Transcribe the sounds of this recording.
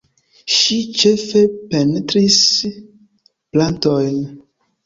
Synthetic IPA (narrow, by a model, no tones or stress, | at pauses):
ʃit͡ʃefepɛnt̪ɾis | plãnt̪ɔjn